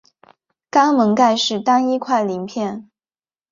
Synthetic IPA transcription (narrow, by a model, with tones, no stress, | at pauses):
kɑ˥ŋmə˧˥ŋka˥˧ɪʂɻ̩˥˩t̪ɑ˥ŋi˥kʰwa˥˩ɪli˧˥ŋpʰjɛ˥˩n